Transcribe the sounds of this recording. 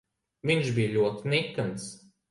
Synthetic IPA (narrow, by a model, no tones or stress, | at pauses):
vinʃbʲijlʲuɔt̪inʲɛkːans